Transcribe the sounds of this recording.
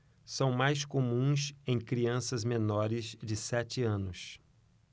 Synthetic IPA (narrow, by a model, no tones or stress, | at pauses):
sɐ̃w̃majskomũsẽj̃kɾiɐ̃sɐzmenɔɾɪzd͡ʒɪsɛt͡ʃɪɐ̃nʊs